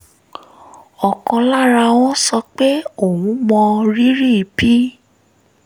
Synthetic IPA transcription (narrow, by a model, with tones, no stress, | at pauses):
ɔ˨kɔ̃˧la˦ɾa˧w̃ɔ̃˦sɔ˧k͡pe˦o˨wũ˨˦mɔ̃˧ɾi˦ɾi˦˨i˨bi˦